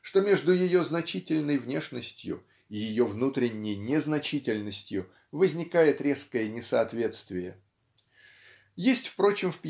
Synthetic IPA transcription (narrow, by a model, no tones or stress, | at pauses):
ʂt̪o̞mʲe̞ʐd̪ʊjɪjo̞znɐt͡ɕitʲɪlʲnəjvnʲe̞ʂnəsʲtʲjʊ̰ | ɪjɪjo̞vnut̪ɾʲɪnʲːɪjnʲɪznɐt͡ɕitʲɪlʲnəsʲtʲjʊ | vəzʲnʲɪkajɪt̪ɾʲe̞skəjənʲɪsɐɐt̪vʲe̞t̪st̪vʲɪjə | jesʲtʲfpɾo̞t͡ɕɪmfpʲ